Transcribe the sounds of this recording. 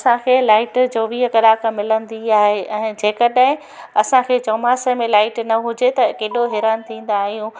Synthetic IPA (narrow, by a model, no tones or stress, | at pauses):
sãkʰeːlaːɪʈd͡ʑoːʋiəkɐɾaːkʰãmɪlə̃nd̪iaːɦeɛ̃ːd͡ʑeːkəɗaɦɪ̃ | ɐsãkʰeːt͡ɕɐːmaːsəmẽlaːɪʈnɐɦʊd͡ʑet̪ɐkeːɗoɦɪɾant̪ʰĩːn̆d̪aːɦijũː